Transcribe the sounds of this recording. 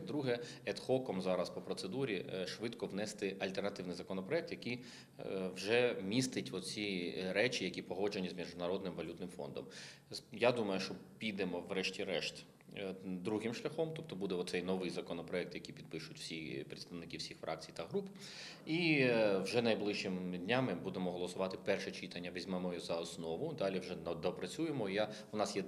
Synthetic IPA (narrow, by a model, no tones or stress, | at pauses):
d̪ɾuɦɛɛt̪xɔkɔmzɑɾɐspɔpɾɔtsed̪uɾʲiʃʋɪd̪kɔwnɛst̪ɪʔɐlʲt̪ɛrnɐt̪ɪwnɪjzɐkɔnɔpɾɔɛk̚t̪jɐkij | wʒɛmʲist̪ɪtʲʋɔt̪t͡sʲiɾɛt͡ʃʲijɐkʲipɔɦɔd͡ʒenʲizmʲiʒʊnɐɾɔd̪nɪmʋɐlʲut̪nɪmfɔ̰nd̪ɔ̰m | jad̪umɐjʊʃt͡ʃɔpʲijd̪ɛmɔʋɾɛʃtʲiɾɛʃt̪ʲ | d̪ɾuɦɪmʃlʲɐxɔmt̪ɔp̚t̪ɔbud̪ɛɔt̪sɛjnɔʋɪjzɐkɔnɔpɾɔɛk̚t̪jɐkʲipʲid̪̚pɪʃʊtʲw̥sʲipɾʲɪt̪st̪ɐʋnɪkiwsʲixfɾʔɑ̰k̚t͡sʲijt̪ɐɦɾup | iwʒɛnɐjblˠɪʃt͡ʃːɪmd̪ʲnʲamɪbud̪emɔɦɔlˠɔsʊʋɑt̪ɪpɛrʃɛt͡ʃit̪ɐnʲːɐʋɛzʲmɛmɔjɔzɐɔsnɔʋʊd̪ɑlʲiwʒɛd̪ɔpɾɐt͡sʲujemɔija | ʊnɑsjɛ